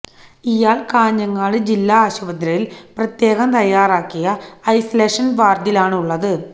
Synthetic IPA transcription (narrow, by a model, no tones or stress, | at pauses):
ijaːɭkaːɲːɐŋːaːɭɨd͡ʑilːaaːɕuʋɐd̪ɾɐjilprɐt̪je̞ːɣɐmt̪ɐjːaːɾaːkːijɐɐjsɐleːʂɐnʋaːrd̪ilaːɳuɭːɐðɨ